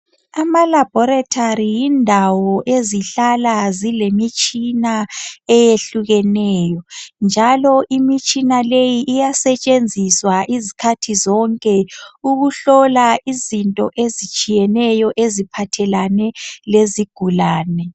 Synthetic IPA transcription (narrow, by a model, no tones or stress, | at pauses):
amalab̥ʱɔɾatʰaɾijindʱawɔʔeziɬalazilemit͡ʃʼinaɛjeɬuɣɛnɛːjɔnd͡ʒʱalɔʔimit͡ʃʼinalejiʔːjasɛt͡ʃʼend͡zʱiswaʔizikʰatʰizɔŋkʼɛuɣuɬɔlaʔizintʼɔ̰ʔezit͡ʃʼijɛnɛjɔʔezipʰatʰɛlanɛleziɡ̥ʱulaːnɛ